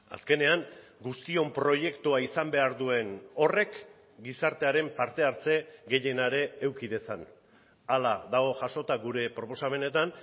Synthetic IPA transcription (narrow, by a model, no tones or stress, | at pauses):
a̰ske̞ne̞aŋɡust̪io̞mpɾo̞je̞kt̪uaisambe̞aɾðue̞no̞re̞k | ɡisaɾt̪e̞aɾe̞mpaɾt̪e̞aɾt͡se̞ɡe̞je̞naɾe̞ːwkiðe̞san | alaðaɣ̞o̞ʝaʃo̞t̪aɡuɾe̞pɾo̞po̞same̞ne̞t̪an